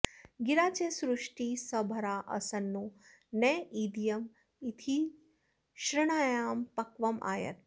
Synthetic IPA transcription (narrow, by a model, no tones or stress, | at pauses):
ɡiɾaːt͡ʃeːsɾuʂʈiːsɐbʱɐɾaːʔɐ̰sɐnːu | neːiːd̪ijɐm | it̪ʰi | ʃɾɪɽ̃aːjaːmpɐkʋɐmʔa̰ːjɐ̰ɾ